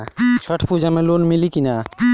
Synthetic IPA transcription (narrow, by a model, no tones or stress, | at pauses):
t͡ʃʰəʈʰpud͡ʒʱamẽlonmilikina